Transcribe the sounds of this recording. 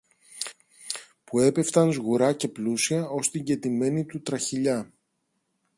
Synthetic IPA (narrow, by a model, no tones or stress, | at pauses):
pue̞pe̞ft̪ɐnzɣuɾɐce̞plusiɐo̞st̪iɲɟe̞t̪ime̞nit̪ut̪ɾɐçiʎɐ